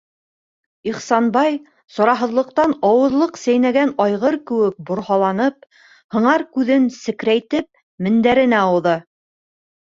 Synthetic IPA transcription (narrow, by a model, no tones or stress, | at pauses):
iχsɑnbɑj | sɑ̆ɾɑɦɤ̆ðlˠɤ̆q̚t̪ɑnɑwɤ̆ðlˠɤqsæjnæɡænɑjʁɤɾkɘ̆wɘk̚bŏɾhɑlˠɑnɤp | hɤ̆ɴɑɾkʉðɘnsɘ̆kɾæjt̪ɘp̚ | mɘ̆nd̪æɾɘ̆næuðɤ